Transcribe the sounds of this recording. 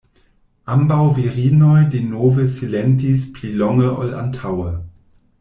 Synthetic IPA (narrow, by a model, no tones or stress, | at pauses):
ʔambawviʁiːnɔjdenoːvəsilɛntispliːlɔŋəʔɔ̰la̰ntʰawə